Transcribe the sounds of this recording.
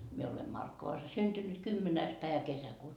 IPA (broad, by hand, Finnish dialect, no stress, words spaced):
mie ole mɑrkːoʋɑs synd̥ynyt kymːenæːs pæeʋæ kesækuːtɑ